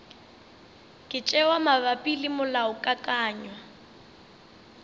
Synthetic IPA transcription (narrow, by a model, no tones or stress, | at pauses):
kʼɪt͡ʃʼɛwamaβapʼilɪmʊlaʊkʼakʼaːɲwa